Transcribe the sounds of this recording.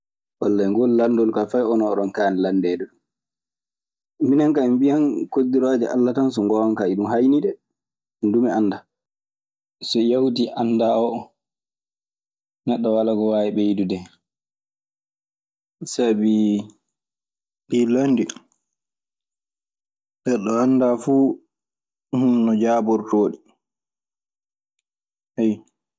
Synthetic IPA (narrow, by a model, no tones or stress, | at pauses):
walːajŋɡɔlːandɔlkafajɔnɔːɗɔnkaːnɛlandɛːdɛɗum | minaŋkaɛmbijankodːiɾaːd͡ʒɛ̰ʔa̰lːatans̬ɔŋɡɔwankaiɗumhajniɗɛ | ndumɛanːda | sɔjawdiʔanːdaɔ | nɛɗːɔwalaɡɔwaːjɛɓɛjidudɛ | sabi | ɗilondi | ɗɛɗɔandafuː | hunnɔd͡ʒaːbɔɾtoːɗi | ɛj